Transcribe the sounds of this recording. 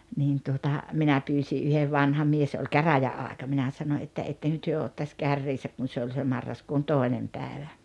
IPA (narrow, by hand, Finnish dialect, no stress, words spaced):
niːn tuotɑ minæ pyːsi ʔyheʋ ʋɑnhɑ mies olʲ kæræjæɑːĕkɑ minæ sɑno etːæ etːeŋkø tyø otːɑsʲ kærːiːsæk kun̞ se olʲ se mɑrːɑskuːn toˑenem pæːĕʋæ